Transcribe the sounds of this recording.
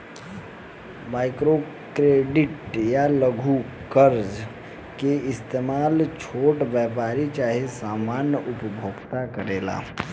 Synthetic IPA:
maːɪkɾo | kɾeːɖɪʈjaləɡʱu | kəɾd͡ʒ | keɪst̪eːmaːlt͡ʃʰoːʈʋəp̬aːɾit͡ʃaːɦesaːmaːnjəʔupbʱoːɡt̪akəɾeːla̰ː

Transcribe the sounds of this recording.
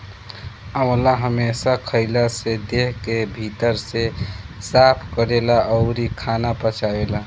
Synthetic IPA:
əmlaɦəmesakʰəɪlased̪eɦk̪ebʱit̪əɾse | sapʰkəɾelaʔəʊɾikʰanapət͡ʃʰaela

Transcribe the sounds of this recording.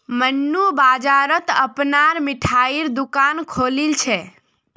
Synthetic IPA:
mənːubad͡ʒaɾət̪əpnaɾmɪʈʰaiɾd̪ukankʰolilt͡ʃʰe

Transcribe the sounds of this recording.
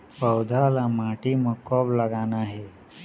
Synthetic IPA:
pəwd̪ʱalamaʈiməkɔblaɡanaɦe

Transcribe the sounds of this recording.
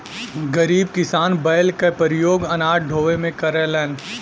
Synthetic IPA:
ɡɐɾiːb̚kɪsaːnbɐjlkepəɾɪjoːɡɐnaːʈɖʱoːʋemẽkɐɾelɛːn

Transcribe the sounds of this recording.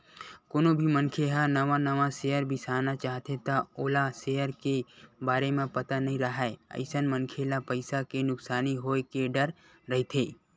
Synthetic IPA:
konobʱimənkʰeɦanəʋanəʋasejəɾbʱisaːɦnat͡ʃaːɦt̪ʰet̪aoːlasejəɾkebaːɾemẽpət̪anəɦĩɾəɦaeə̰ɪsənmənkʰelapəɪsakenʊksaːniɦoːekeɖəɾ | ɾəɦit̪ʰeː

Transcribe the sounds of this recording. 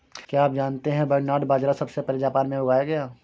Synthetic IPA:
kjaːp̚d͡ʒaːnt̪eɦɛ̃bɐɾnaːɖbaːd͡ʒɾasɐbsepɐɾid͡ʒaːpaːnmẽɦʊɡaːjaɡɐjaː

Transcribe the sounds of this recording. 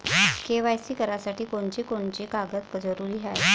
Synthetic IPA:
keʋajsiːkəɾasaʈiːkoɳt͡ɕiːkoɳt͡ɕiːkaɡət̪kəd͡zəɾuːɾiːɦaj

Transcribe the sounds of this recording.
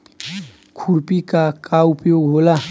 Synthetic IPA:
kʰuɾpikakaupjoɡɦola

